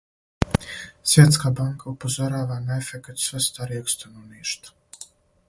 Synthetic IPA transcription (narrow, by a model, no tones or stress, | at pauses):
sʲvʲɛɛt̪skaːbaŋkʰaupɔzaɾaːvaːnɛɛfʲɛkt̪svɛst̪aːɾiɛkst̪anuniːʃt̪